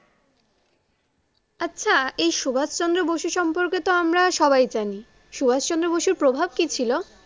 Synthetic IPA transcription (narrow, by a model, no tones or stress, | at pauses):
atːɕʰaejʃubʱad͡ʑt͡ɕɔnd̪ɾoboʃuʃɔmpoɾket̪oamɾaʃɔbajd͡ʑani | ʃubʱad͡ʑt͡ɕɔnd̪ɾoboʃuɾpɾobʱab̚kit͡ɕʰilo